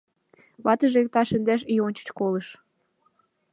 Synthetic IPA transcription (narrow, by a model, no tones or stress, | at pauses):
βɑt̪əʒek̚t̪ɑʃə̆nd̪æʃ̬ijonʲt͡ɕə̥t͡ɕkoləʃ